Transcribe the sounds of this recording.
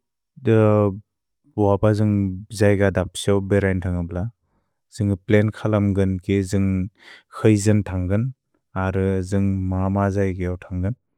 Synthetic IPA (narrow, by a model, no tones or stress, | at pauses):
dɯ | wabazɯŋzajɡadap̚siawbeɾajntʰaŋɯbla | z̥ɯŋɯplenkʰalamɡɯnkʰezɯŋkʰɯjzɯntʰaŋɡɯn | aɾɯzɯŋmamazajɡejawtʰaŋɡɯn